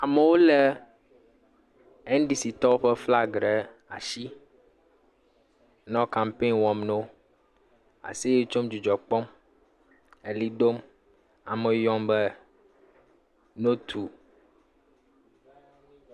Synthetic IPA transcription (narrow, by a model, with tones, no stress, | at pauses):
a˨me˨wo˦lɛ˦ | ɛ˦n˦ɖi˨si˨t̪ɔ˦o˦ɸɛ˦fla˦ɡɾɛ˨ | a̰˨ʃi˦ | nɔ̃˦ka˨mpe˦nwɔ̃˨mno˦ | a̰˨si˦je˦t͡ʃo˦md͡ʒu˨d͡ʒɔ˨k͡pɔ˦m | e˨li˦ɖo˦m | a̰˨me˨jɔ˦mbɛ˦ | no˦t̪ʰu˨